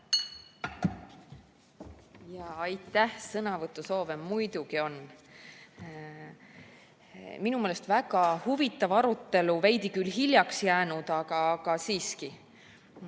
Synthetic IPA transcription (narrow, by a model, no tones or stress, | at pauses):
jɑɑjt̪ːˑæhsɤnɑvɤt̪ːˑuso̞ːvemːujd̪uɡio̞n | minumeːlest̪væɡ̥ɑhuvit̪ːˑɑvɑɾut̪ːˑe̞luvejd̪̥ikylɦilʲjɑksjæːnud̪̥ɑɡ̥ɑɡ̥ɑsiːski